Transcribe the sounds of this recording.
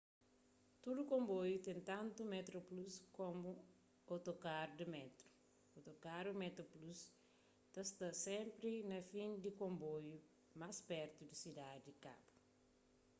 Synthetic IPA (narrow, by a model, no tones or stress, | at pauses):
t̪ud̪ukõmbojut̪ẽnt̪ãnt̪umɛt̪ɾopluskomu | ot̪okaɾd̪imɛt̪ɾu̥ | ot̪okaɾumɛt̪oplus | t̪ɐst̪ɐsẽmpɾinɐfĩnd̪ikõmboju | maspɛɾt̪ud̪isid̪ad̪ika̰bu̥